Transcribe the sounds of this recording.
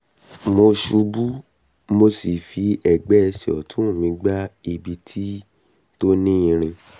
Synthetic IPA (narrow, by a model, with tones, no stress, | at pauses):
mo˧ʃu˧bu˦ | mo˧si˨fi˧ɛ˨ɡ͡bɛ˨˦ɛ˧sɛ˨ɔ̰˨tũ˦˨mĩ˨˧˦ɡ͡ba˦i˧˨bi˧tʰi˦ | to˦nĩ˦ĩ˧ɾ̃ĩ˧